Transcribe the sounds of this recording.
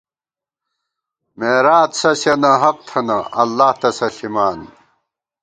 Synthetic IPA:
meːɾaːt̪sɐɕɐnɐɦɐq̚t̪ʰɐnɐʔɐlːaːht̪ɐsɐɬimaːn

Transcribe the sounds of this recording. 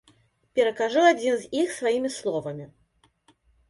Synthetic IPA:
pʲɛɾɐkaʐuad͡zʲinzʲixsvajimʲislˠɔvɐmʲi

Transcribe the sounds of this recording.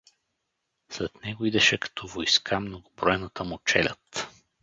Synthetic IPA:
slɛt̪nɛɡoid̪ɛʃɛkɐ̥t̪ʰɔvojskʰamnoɡʊbɾɔɛnət̪əmot͡ʃɛlʲə̰t̪

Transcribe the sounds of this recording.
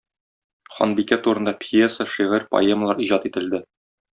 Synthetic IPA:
χɒ̰nbikæt̪uɾɤ̆nd̪ɑpʲjesəʃiʁɘɾpɐ̰eməlˠɑɾiʑɑt̪it̪ɘ̆ld̪ɘ

